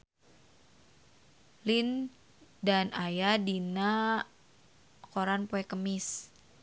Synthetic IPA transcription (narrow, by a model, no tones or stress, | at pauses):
lin | danajadina | koɾanpoɛkəmɪs